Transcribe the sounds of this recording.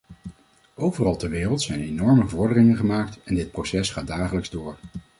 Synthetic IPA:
ʔowvərɑlˠtɛɹʋɪːrəlˠtsɛjnenɔɹməvʊːɹdərɪŋənχəmaːk̚tɛndɪt̚prosɛsχaːdaːχələkzdʊːɹ

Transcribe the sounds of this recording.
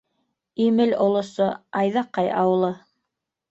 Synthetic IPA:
imɘlŏlˠŏsoɑjðɑqːɑjɑ̰wɤ̆lˠɤ

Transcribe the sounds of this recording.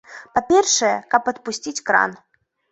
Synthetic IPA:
papʲɛrʂɐjɛkɐpɐt̪̚pusʲt͡sʲit͡sʲkɾa̰n

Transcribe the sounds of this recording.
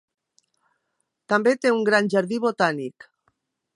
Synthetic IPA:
t̪ambet̪euŋɡɾanʲʒaɾðiβot̪anik

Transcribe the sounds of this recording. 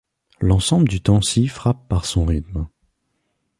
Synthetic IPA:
lɑ̃sɑ̃bləd̪yt̪ɑ̃sifχapːaʁsɔ̃ʁit̪m

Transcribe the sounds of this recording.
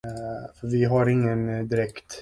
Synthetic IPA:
fɾvɪɦaɾɪŋːənd̪ɪɾɛkt̪

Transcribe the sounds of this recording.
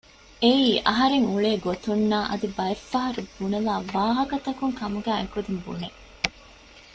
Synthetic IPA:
eiːʔɐɦɐɾeŋuɭeːɡot̪unːaːʔɐ̰d̪ibɐefːɐɦɐɾubunɐlaːʋaːɦɐkɐt̪ɐkuŋkɐmuɡæːekud̪imbṵne

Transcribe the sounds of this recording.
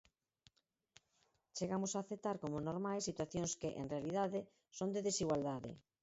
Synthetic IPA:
t͡ʃeɣamʊsaːθet̪aɾkomʊnoɾmajsːit̪waθjõŋskeʔḛnrealið̞aðɪ | sõnd̪eðesiɣwald̪aðɪ̰

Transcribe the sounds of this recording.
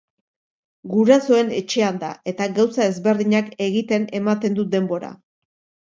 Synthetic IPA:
ɡuɾaso̞e̞ne̞̰t͡ʃe̞and̪ae̞t̪aɣawsae̞zβe̞ɾðiɲake̞ɣit̪e̞ne̞mat̪e̞nd̪ud̪e̞mbo̞ɾa̰

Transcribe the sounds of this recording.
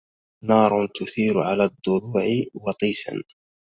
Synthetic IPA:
nɑːɾˤʊt̪ʊθiːɾʊʕalaːd̪ˤːʊɾuːʕɪwɑt̪ˤiːsa̰n

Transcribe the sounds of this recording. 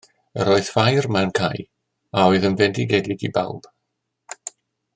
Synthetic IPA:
ə̰ɾoːɨðfajrmankʰaj | aɔɨðəmvɛndiɡɛdɪɡiba̰lˠb̥

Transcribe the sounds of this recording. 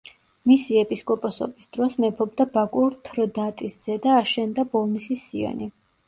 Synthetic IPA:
misiɛpʼiskʼɔpʼɔsɔ̰bisd̪̥ɾɔsmɛpʰɔbd̪abakʼuɾt̪ʰɾd̪at̪ʼisd̪z̥ɛd̪aːʃɛnd̪abɔlˠnisisiɔ̰ni

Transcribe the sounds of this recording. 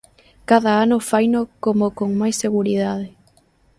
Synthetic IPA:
kaðaanʊfajnokomokoŋmajsːeɣuɾiðaðɪ

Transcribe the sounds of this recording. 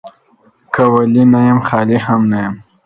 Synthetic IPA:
kawalinajamxɑlihamnajam

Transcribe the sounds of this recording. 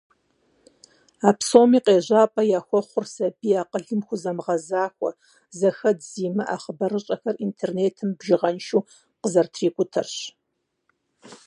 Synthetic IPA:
aːpʰsoːmiːqʼeːʑʷaːpʼɐjaːxʷɔχʷʊrsɐbiːaːqəɮɨmxʷʊzɐmʁɐzaːxʷɔ̰ | zɐxɐdziːmɨʔa̰ːχəbɐrɨɕʼɐxɐrintʰeːrneːtʰɨmbʒɪʁɐnʃuː | qəzɐrtʰriːkʷʼʊtʰɐrɕ

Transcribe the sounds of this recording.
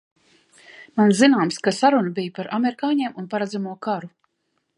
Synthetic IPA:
manzinaːmskasaɾunabijpaɾʔameɾikaːɲeɛmunpaɾad̪zamuɔkaɾu

